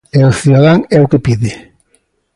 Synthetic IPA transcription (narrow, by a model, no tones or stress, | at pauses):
eoθuðaðaŋɛokepiðɪ